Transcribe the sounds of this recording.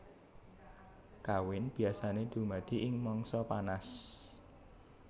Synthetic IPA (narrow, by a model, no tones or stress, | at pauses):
kawɪnb̥i̤asaned̪̥ṳmad̪̥i̤ʔɪŋmɔŋsɔpanas